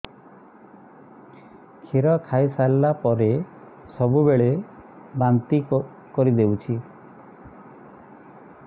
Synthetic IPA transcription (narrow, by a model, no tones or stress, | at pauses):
kʰiɾɔkʰaisalbapɔɾe | sɔbubeɭe | bant̪i | kɔɾid̪ewt͡ʃʰi